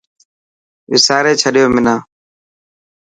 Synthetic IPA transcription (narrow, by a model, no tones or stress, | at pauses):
ʋɪ̰saːɾeːt͡ʃʰəɗɪjoːmɪnaː